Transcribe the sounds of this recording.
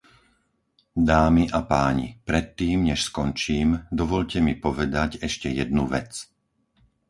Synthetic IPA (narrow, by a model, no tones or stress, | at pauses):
d̪aːmiʔapaːɲḭpɾɛt̪ːiːmɲɛʃskɔnt͡ʃiːmd̪ɔʋɔʎcɛmipɔʋɛd̪aɟɛʃcɛjɛd̪̚nuʋɛt͡s